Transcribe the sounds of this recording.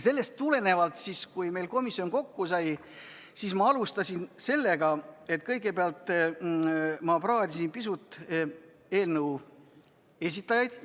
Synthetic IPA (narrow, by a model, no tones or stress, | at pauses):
se̞lːe̞st̪ːule̞ne̞vɑlt̪siskujme̞jlko̞misːio̞nko̞kːusɑj | sismɑɑlust̪ɑsinse̞lːe̞ɡɑe̞t̪kɤjɡe̞peɑlt̪ˑ | mɑprɑːd̪ʲisinpisut̪ˑ | e̞ːlnəw | e̞s̬it̪ːˑɑjɑjd̪̥